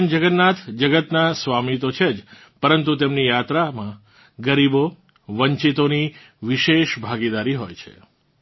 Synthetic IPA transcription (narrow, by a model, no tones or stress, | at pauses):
nd͡ʒəɡənːat̪ʰd͡ʒəɡət̪nasʋamit̪ot͡ʃʰed͡ʒ | pəɾənt̪ut̪emnijat̪ɾamã | ɡəɾibo | ʋəɲt͡ʃit̪oni | ʋiʃeʃbʱaɡid̪aɾiɦojt͡ʃʰḛ